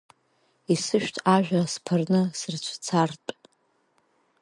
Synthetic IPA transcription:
isɨʃᶣtʰaʒᶣaspʰarnɨsɨrt͡ʃʷʰt͡sʰartʼ

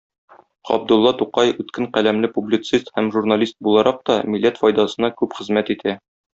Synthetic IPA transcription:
ɒ̰b̚d̪ŭlˠːɑt̪uqɑjʉt̪kɘɴqælæmlɘpublʲit̪sist̪hæmʒurnalʲist̪̚bulˠɑɾɑq̚t̪ɒmilːæt̪fɒjd̪ɑsɤ̆nɑkʉpχɘ̆zmæt̪it̪ʰæ

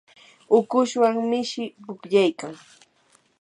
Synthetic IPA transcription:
ʊkʊʃwaŋmɪʃɪpʊkʎajkaŋ

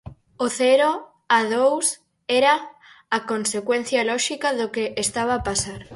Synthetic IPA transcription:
oθɛɾo | aðows | ɛɾɐː | konsekwen̟θjɐlɔʃikɐðokeʔest̪aβ̞aːpasaɾ

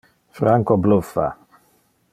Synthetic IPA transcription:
fɾaŋkɔblufa̰

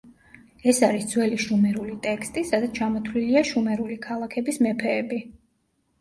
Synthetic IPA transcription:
ɛsaɾisd̪zwɛliʃumɛɾulit̪ʼɛkst̪ʼisad̪at̪sʰt͡ʃʰamɔt̪ʰliliaʃumɛɾulikʰalˠakʰɛbismɛpʰɛːbi

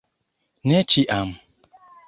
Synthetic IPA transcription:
net͡ʃiʔam̩

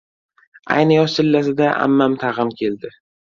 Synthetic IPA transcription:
a̰jnɪjɒɪlːas̬ɪd̪aʔa̰mːamt̪ʰaʁɪmkʲʰe̞ld̪ɪ

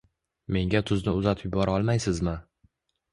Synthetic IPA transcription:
me̞ŋɡʲat̪ʰʊznɪʊzat̪ʰɪpjbɒɾaɒlˠmajsɪzmɪ

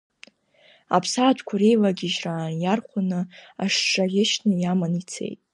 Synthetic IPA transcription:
a̰pʰsaːt͡ʃʷʰkʷʰaɾejlaɡʲɪʒraːnjarχʷanɨaʂːʼaɡʲɪʃnɨjamanit͡sʰe̞̰jtʼ

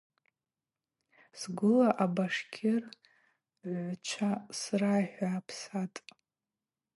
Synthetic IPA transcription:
sɡʷʊlaʔabaʂkʲʰɪr | ʕʷt͡ʃʷʰasraħʷᶣaːpʰsatʼ

